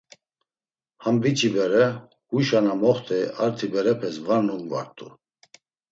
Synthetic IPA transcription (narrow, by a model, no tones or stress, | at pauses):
hambit͡ʃʰibɛɾɛ | huʃanamɔχt̪ʰɛaɾt̪ʰibɛɾɛpʰɛsvannumva̰ɾt̪ʼṵ